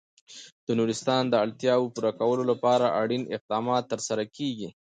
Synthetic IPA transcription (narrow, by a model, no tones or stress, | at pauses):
d̪̥ənuɾɪst̪ɑnd̪əalt̪jɑwopuɾakawəlolapɑɾaʔaɽinɪ̰q̚d̪ɑmɑt̪ːəɾsaɾakeɡi